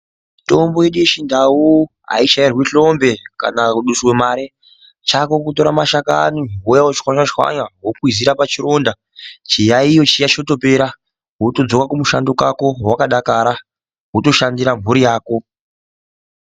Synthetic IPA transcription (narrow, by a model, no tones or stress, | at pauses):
to̞mbo̞eɗeʃindawuɦa̰it͡ʃairwiɬo̞mbe̞ka̰nauɗusuwemaɾe | t͡ʃako̞kutoɾamaʃakaniɦujawot͡ʃi̥xwaɲwat͡ʃi̥xwa̰ɲaɦopwiziɾapat͡ʃiɾo̞nda | t͡ʃijaijo̞t͡ʃijat͡ʃo̞to̞pe̞ɾa | ɦuto̞d͡zokakumuʃando̞kako̞wakaɗakaɾa | ɦuto̞ʃandiɾaɱvuɾijaːko̞